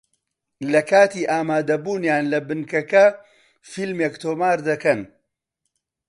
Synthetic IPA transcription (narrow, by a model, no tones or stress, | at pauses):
lɐkaːt̪iːʔaːmaːd̪ɐbuːnjaːnlɐbɨnkɐkɐ | filmekt̪ʰoːmaːɾd̪ɐkɐn